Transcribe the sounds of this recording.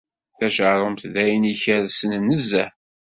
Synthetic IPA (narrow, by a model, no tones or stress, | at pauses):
θæʃəɾˤəmt̪ðæjəniçəɾsənnːəzːæ